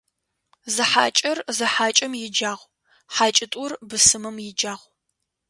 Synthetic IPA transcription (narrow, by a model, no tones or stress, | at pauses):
zɨħa̰ːt͡ʃʼɐrzɨħaːt͡ʃʼɐmjɪd͡ʒaːʁʷ | ħaːt͡ʃʼɪtʼʊrbɨsɨmɐmjɪd͡ʒaːʁʷ